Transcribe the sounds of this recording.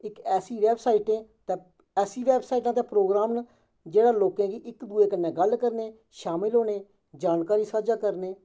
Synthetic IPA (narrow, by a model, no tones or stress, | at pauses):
ɪkɛːsiːʋɛːbsaːiːʈẽːt̪eː | ɛːsiːʋɛːbsaːiːʈãːt̪ẽːpɾoːɡɾaːmn | d͡ʒeːɽaːloːkẽːɡiːʔɪkd̪ueːkənːẽːɡəlkəɾneː | ʃaːmɪlɦoːneː | d͡ʒaːnkaːɾiːsaːd͡ʒaːkəɾneː